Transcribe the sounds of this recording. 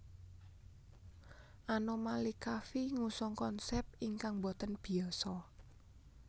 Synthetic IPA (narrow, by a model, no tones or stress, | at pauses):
ʔanomalikafiŋusɔŋkɔnsɛp̚iŋkaŋbɔt̪ənb̥i̤ɔsɔ